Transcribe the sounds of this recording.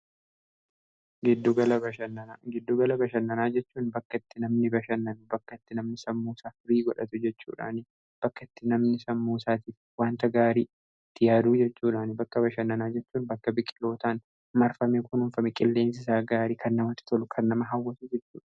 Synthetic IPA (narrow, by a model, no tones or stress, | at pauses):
ɡɪd̪ːʊɡɐlɐbɐɐnːɐɡɪd̪ːʊɡɐlɐbɐʃɐnːɐnaːd͡ʒɛt͡ʃːuːnbɐkːɐɪt̪ːɪnɐmnɪbɐʃɐnːɐnʊbɐkːɐɪt̪ːɪnɐmnɪsɐmːuːsaːfɪɾiːɡɔᶑɐt̪ʊd͡ʒɛt͡ʃːṵːᶑa̰ːnɪ | b̥ɐkːɐɪt̪ːɪnɐmnɪsɐmːuːsaːt̪iːf | waːnt̪ɐɡaːɾiː | t̪ːɪjaːd̪uːd͡ʒɛt͡ʃːuːᶑaːnɪbɐkːɐbɐʃɐnːɐnaːd͡ʒɛt͡ʃːuːnbɐkːɐbɪkʼːɪ̥lːo̞ːt̪aːn | mɐɾfɐmekʊnʊɱfɐmɛkʼɪlːe̞ːns̬ɪs̬aːɡaːɾiːkʰɐnːɐmɐt̪ːɪ̥t̪ʰɔlʊkʰɐnːɐmɐɦɐwːɐsuːd͡ʒɛt͡ʃːuːᶑɐ̥